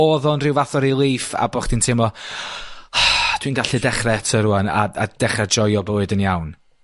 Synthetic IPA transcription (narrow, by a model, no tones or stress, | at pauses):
ɔðɔnrɪwvaθɔɾilˠiːfa̰bɔχd̥intʰɪmɔ | d̥winɡaɬɨdɛχrɛtʰəɾuana̰ad̥ɛχrɛd͡ʒɔjɔboːɨdənjawn